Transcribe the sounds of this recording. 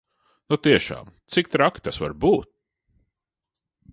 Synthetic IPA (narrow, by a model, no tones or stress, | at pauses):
nut̪iɛʃa̰ːmt̪sik̚t̪ɾakt̪asva̰ɾbuːt̪̚